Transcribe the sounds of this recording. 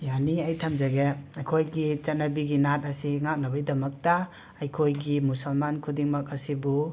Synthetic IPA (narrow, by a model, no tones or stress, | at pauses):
janiajtʰamzaɡeajkʰojɡit͡ʃatnabiɡinat̚ɐsiŋak̚nabajdɐmɐk̚taː | jkʰojɡimusɐlmankʰudiŋmak̚ɐsibu